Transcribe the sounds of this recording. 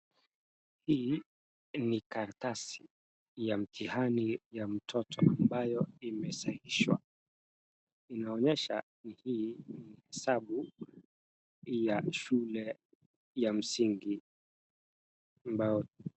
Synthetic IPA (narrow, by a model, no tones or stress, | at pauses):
hiː | nikaɾatasi | jam̩tʰihanijam̩tʰɔtʰɔ̰ʔambajɔimɛsahiʃwa̰ | inaɔɲɛʃa | nihiːnihɛsaɓu | jaʃulɛ | jam̩siŋɡi | ambajɔ